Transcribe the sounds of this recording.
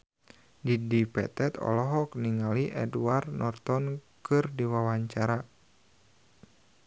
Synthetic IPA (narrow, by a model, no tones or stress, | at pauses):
didipɛ̰t̪ɛt̪ɔ̰lɔɦɔk̚niŋaliʔɛ̰duarnɔrt̪ɔnkɨrdiwawaɲt͡ʃaɾa